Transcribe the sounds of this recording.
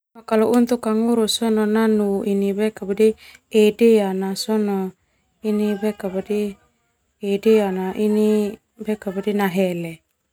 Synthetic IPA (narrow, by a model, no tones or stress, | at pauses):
akaloʔunt̪ukaŋuɾusɔnɔnanuʔinibekabadiedeanasɔnɔ | inibekabadi | edeanaʔini | bekabadinaɦɛlɛ